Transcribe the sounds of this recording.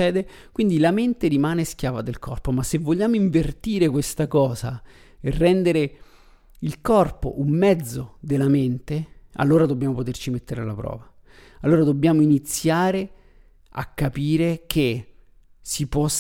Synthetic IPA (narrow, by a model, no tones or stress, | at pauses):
ɛːd̪ekwind̪ilament̪eɾimaːnesk̟jaːvad̪elkɔrpomasːevːoʎːaːmoiɱvert̪iːɾekwest̪akɔːza | erːɛnd̪eɾe | ilkɔrpo̰ʔumːɛd̪zːod̪elːament̪ea̰lːoːɾad̪obːjaːmopot̪ert͡ʃimet̪ːeɾealːapɾɔ̰ːva | alːoːɾad̪obːjaːmoinit̪sːjaːɾe | a̰kːapiːɾekʰe | sipɔ